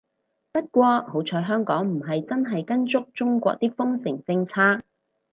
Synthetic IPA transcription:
pɐ˥t̚kʷɔː˧ho˨˥wt͡ʃʰɔː˧˥jɦœː˥ŋkɔː˨˥ŋm̩˨˩ɦɐ˨jt͡sɐ˥nɦɐ˨jkɐ˥nt͡sʊ˥k̚t͡ʃʊ˥ŋkʷɔ̰ː˧k̚t̪iː˥k̚fʊ˥ŋsɪ˨˩ŋt͡sɪ˧ŋt͡sʰaː˥k̚

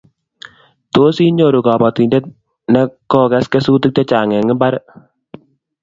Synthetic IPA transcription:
t̪o˦si˦ɲo˨ɾu˨kɑ˨ba˨t̪i˨ndɛ˦t̪̚ | nɛ˦kɔ˦kɛ˦skɛ˦su˦t̪u˦k̚tɔ˦t͡ʃa˨ŋɛ˨ŋɪ˦mba˦ɾ

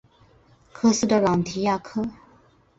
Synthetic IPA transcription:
kʰə˧sɨ˦˧da˧la˨n˨t̪ʰi˨˦ja˥˧˨kʰə˥˨

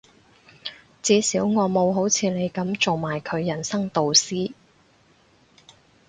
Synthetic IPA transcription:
t͡siː˨˥siː˨˥wŋɔː˨˧mo˨˧wɦo˨˥wt͡sʰiː˨˧ne˨˧jkɐ˨˥mt͡so˨wmaː˨˩jkʰɵ˨˧ɥjɐ˨˩nsɐ˥ŋt̪o˨wsiː˥

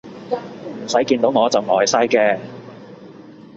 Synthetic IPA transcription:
m̩˨˩sɐ˨˥jkiː˧nt̪o˨˥wŋɔː˨˧t͡sɐ˨˩wŋɔː˨˩jsɐ˥jkɛː˧

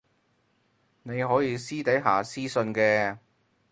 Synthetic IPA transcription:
ne˨˧jɦɔː˨˥jiː˨˧siː˥t̪ɐ˨˥jɦaː˨˩siː˥sɵ˧nkɛː˧

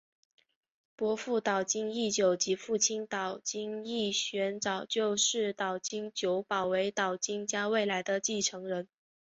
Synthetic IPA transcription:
pwɔ˧˥fu˥˩t̪ɑ˨˩ʊt͡ɕi˥ŋi˥˩t͡ɕjo˨˩ʊt͡ɕi˧˥fu˥˩t͡ɕʰi˥nt̪ɑ˨˩ʊt͡ɕi˥ŋi˥˩ɕɥɛ˧˥nʈ͡ʂɑ˨˩ʊt͡ɕjo˥˧ʊʂɻ̩˥˩t̪ɑ˨˩ʊt͡ɕi˥ŋt͡ɕjo˧˥ʊpɑ˨˩ʊwe˧˥ɪt̪ɑ˨˩ʊt͡ɕi˥ŋt͡ɕja˥we˥˩ɪla˧˥ɪd̪ə˧t͡ɕi˥˩ʈ͡ʂʰɤ˧˥ŋɻə˧˥n

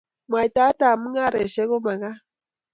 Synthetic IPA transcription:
mwa˨i˨ta˦ta˨mu˦ŋa˦ɾe˨ʃe˦ɣo˦ma˨ŋa˦

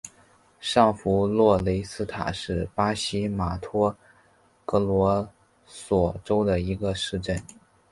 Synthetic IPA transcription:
ʂɑ˥˩ŋfu˧˥lwɔ˥˩le˧˥ɪsɹ̩˥t̪ʰa̰˨˩ʂɻ̩˥˩pa˥ɕi˥ma˨˩t̪ʰɔ˥ | kɤ˧˥lwɔ˧˥ | swɔ˨˩ʈ͡ʂo˥ʊd̪ə˨i˧˥ɡə˧ʂɻ̩˥˧ʈ͡ʂə˥˩n

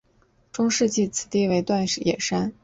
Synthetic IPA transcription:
ʈ͡ʂʊ˥ŋʂɻ̩˥˧t͡ɕi˥˩t͡sʰɹ̩˨˩t̪i˥˩we˧˥ɪt̪wa˥˩nʂɻ̩˨˩jɛ̰˨˩ʂa˥n

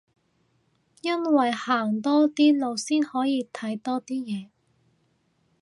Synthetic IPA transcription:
jɐ˥nwɐ˨jhaː˨˩ŋt̪ɔː˥t̪iː˥lo˨˧wsiː˥nhɔː˨˥jiː˨˧t̪ʰɐ˨˥jt̪ɔː˥t̪iː˥jɛː˨˧

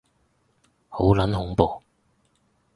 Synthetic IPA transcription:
ho˨˥wlɐ˨˥nhʊ˨˧˥ŋpoː˨˧

